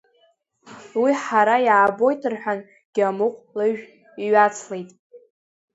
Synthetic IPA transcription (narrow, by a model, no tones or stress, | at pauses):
wiħaɾajaːbo̞jtʰɨrħʷᶣan | ɡ̥ʲamuqʷʼlɨʒᶣ | iɥat͡sʰle̞jtʼ